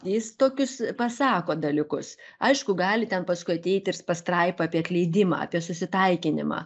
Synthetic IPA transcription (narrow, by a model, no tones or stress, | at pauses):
jɪst̪oːkʲʊspɐsɑːkoːd̪ɐlʲɪkʊsɐɪʃkʊɡɑːlʲɪt̪ʲɛnpɐskʊɪɐt̪ʲɛɪt̪ʲɪrspɐst̪ɾɐɪpɐɑːpʲiɛɐt̪ʲlʲɛɪd̪ʲɪmɑ̰ːɐ̰pʲiɛsʊsʲɪt̪ɐɪkʲɪnʲɪmɑ̰ː